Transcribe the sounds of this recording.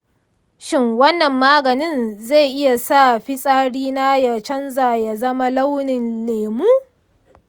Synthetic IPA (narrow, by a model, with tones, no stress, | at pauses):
ʃɪ˦ŋwɐ˦nːɐ˨mːaː˦ɡɐ˨nɪ˦nza˦˨jʔɪ˦ja˨sa˦˨ɸɪ˦sʼaː˦ɽiː˦na˦ja˨t͡ʃɐ˦nzaː˨ja˨zɐ˦ma˦la˦wnɪ˨nleː˨muː˦